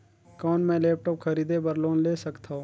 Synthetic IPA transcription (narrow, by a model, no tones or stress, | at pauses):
kɔːnmɛ̃leːp̚ʈɔːpkʰɐɾiːd̪ebɐɾloːnleːsɐkt̪ʰaoː